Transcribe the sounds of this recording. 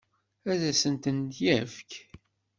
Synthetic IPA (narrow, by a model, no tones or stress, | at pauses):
æðæsənt̪ənd̪jævk